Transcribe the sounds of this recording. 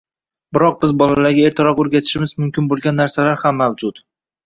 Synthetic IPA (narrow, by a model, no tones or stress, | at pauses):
bɪɾɒq̚bɪzbɒlalaɾɡʲaeɾt̪ʰɪɾɒqoɾɡʲat̪ʰɪ̥ʃɪmɪzmʊmkʲʰɪnbolˠɡʲanːaɾsalaɾhamːawd͡ʒʊt̪